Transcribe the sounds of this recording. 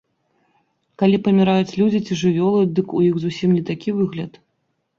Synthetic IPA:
kalʲipɐmʲiɾajut͡sʲlʲud͡zʲit͡sʲiʐɨvʲɔlˠɨjd̪ɨkujixzusʲimnʲit̪akʲivɨɣlʲɐt̪

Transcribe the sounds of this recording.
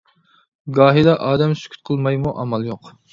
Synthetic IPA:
ɡɑːɦid̪ɑʔɑːd̪ɛmsy̥kʲʰy̥t̪̚qʰəlˠmɑjmuʔɑmɑlˠjoq

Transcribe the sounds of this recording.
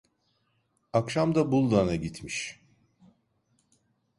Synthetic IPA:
akʃamd̪abulˠd̪anaɟit̪ʰmiʃ

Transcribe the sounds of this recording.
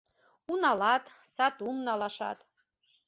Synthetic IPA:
unɑlɑt̪ | sɑt̪umnɑlˠɑʃɑ̰t̪

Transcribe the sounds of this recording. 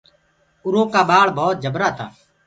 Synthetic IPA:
ʊɾoːkaːɓaːɭbʱɔːt̪̚d͡ʒəbɾaːt̪ʰa̰ː

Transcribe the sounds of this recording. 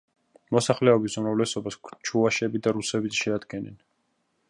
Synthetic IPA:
mɔsaχlɛɔbisumɾavlɛsɔbaskt͡ʃʰuaʃɛbid̪aɾusɛbit̪ʃɛad̪ɡɛnɛ̰n

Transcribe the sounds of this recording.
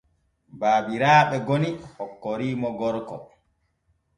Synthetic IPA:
baːbiɾaːɓɛɡonihɔkːoɾiːmɔɡɔɾkɔ̰

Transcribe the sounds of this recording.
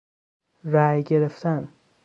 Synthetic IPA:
ɾæjɡeɾeft̪ʰæn

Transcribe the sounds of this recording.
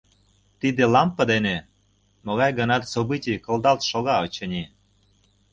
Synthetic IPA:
t̪id̪elɑmpə̆d̪ene | mŏɣɑjɡə̆nɑt̪sobɨtʲijkɤ̆ld̪ɑlt̪ʃoɣɑot͡ɕə̆nʲi

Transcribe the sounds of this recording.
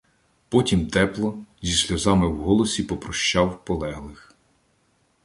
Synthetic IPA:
pɔtʲimt̪ɛplˠɔzʲisʲlʲɐzɑmɪwɦɔlˠɔsʲipɔpɾɔʃt͡ʃɑwpɔlˠɛɦlˠɪx

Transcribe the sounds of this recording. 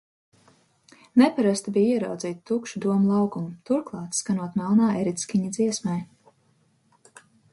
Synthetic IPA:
nɛpaɾast̪ibijiɛɾawd̪ziːt̪t̪ukʃud̪uɔmlˠɑwkumt̪uɾklˠɑːt̪skanuɔt̪malˠnaːɛɾit̪skʲiɲad̪ziɛsmɛj

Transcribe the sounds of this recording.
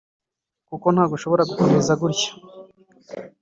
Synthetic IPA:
kuko̞n̥haːɡuʃo̞βo̞ɾaɡukomezaɡuɾcḁ

